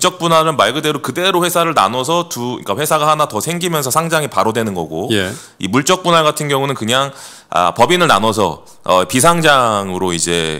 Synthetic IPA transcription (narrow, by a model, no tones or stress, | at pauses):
t͡ɕ͈ʌk̚p͈unɦaɾɯnmaɭɡɯde̞ɾokɯde̞ɾoɸwe̞sʰaɾɯɭna̰nʌsʰʌtuḭk͈aɸwe̞sʰaɡahanatʌsʰe̞ŋɡimjʌnsʰʌsʰaŋd͡ʑaŋipaɾodwe̞nɯnɡʌ̰ɡoje | ḭmuɭt͡ɕ͈ʌk̚p͈unaɡatʰɯnɡjʌŋunɯnkɯɲaŋ | a̰pʌbinɯɭna̰nwʌs̬ʰʌ̰ | ʌpis̬ʰaŋd͡ʑaŋɯɾoid͡ʑe̞̰